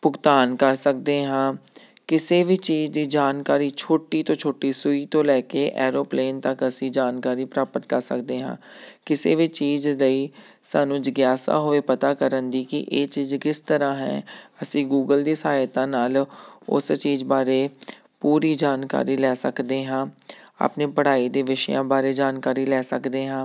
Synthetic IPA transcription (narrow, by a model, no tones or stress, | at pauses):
pʊkt̪aːnkəɾsək̚d̪eːɦãː | kɪseːʋiːt͡ʃiːd͡ʒd̪iːd͡ʒaːnkaːɾiːt͡ʃʰoːʈiːt̪õːt͡ʃʰoːʈːiːsʊiːt̪õːlɛːkeːʔɛːɾoːpleːnt̪əkəsĩːd͡ʒaːnkaːɾiːpɾaːpət̪kəɾsə̰kd̪eːɦã̰ː | kɪsḛːʋiːt͡ʃiːzləiː | saːnũːd͡ʒəɡjaːsa̰ːɦoːeːpət̪aːkəɾənd̪iːkɪʔeːt͡ʃiːzkɪst̪əɾãːɦɛ̰̃ːəsĩːɡuːɡəld̪iːsəɦaːjt̪ãːnaːlʊ̰st͡ʃiːzbaːɾeː | puːɾiːd͡ʒaːnka̰ːɾiːlɛːsəkd̪eːɦãː | a̰ːpneːpəɽaːiːd̪eːʋɪʃəjãːbaːɾeːd͡ʒaːnkaːɾiːlɛːsəkd̪eːɦãː